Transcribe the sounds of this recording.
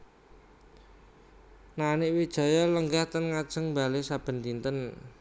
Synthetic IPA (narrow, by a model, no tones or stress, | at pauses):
nanɪʔwid̥ʒ̥a̤jɔləŋɡaht̪ənŋad̥ʒ̥ə̤ŋmbalesab̥ə̤nt̪int̪ən